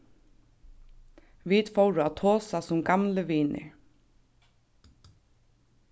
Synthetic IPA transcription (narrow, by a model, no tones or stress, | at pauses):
ʋid̪fɔwɾʊat̪ʰoːsasʊmɡamləʋiːnʔɪ̰ɹ